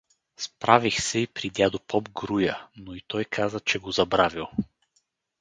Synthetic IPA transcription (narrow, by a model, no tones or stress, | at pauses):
spɾavixsɛipɾid̪ʲjad̪opʰɔbɡɾujənoit̪ɔjkʰazət͡ʃɛɡozɐbɾavilˠ